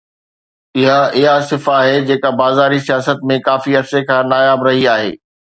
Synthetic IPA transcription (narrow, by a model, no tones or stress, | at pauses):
ɪɦaɪɦasɪfaːɦed͡ʑeːkabaːzaːɾisijaːsət̪̚mẽkaːfiɐɾsekʰãːnaːjaːbɾɐɦiaːɦḛː